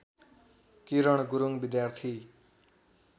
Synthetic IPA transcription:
kiɾʌɽ̃ɡuɾuŋbid̪jart̪ʰi

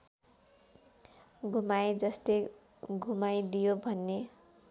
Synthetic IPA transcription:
ɡʱumajd͡zʌst̪ej | ɡʱumajd̪ijobʱʌnːe

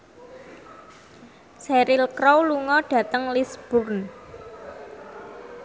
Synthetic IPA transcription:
sɛɾɪlkɾɔwluŋɔɖ̥ä̤t̪əŋlisb̥ʊrn

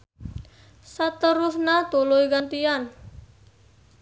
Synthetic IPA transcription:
sat̪əɾusnat̪ulujɡant̪ian

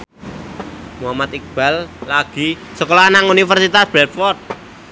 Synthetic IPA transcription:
muɦamat̪ik̚b̥a̤lːaɡ̥i̤səkolɔanaŋunifərsit̪asb̥ɾɛt̪̚fɔrt̪̚

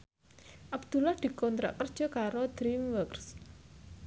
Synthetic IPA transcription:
ʔab̥d̪̥ṳlahd̪̥i̤kɔnt̪ɾa̰ʔkːərd̥ʒ̥ɔ̤kaɾod̪̥ɾimwəks

